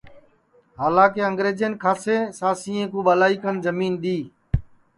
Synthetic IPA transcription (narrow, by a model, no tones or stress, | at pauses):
ɦaːlãːkeːəŋɡɾeːd͡ʒənkʰaːseːsaːsĩːẽːkuːɓaːlaːiːkənzəmiːnɗ̪iː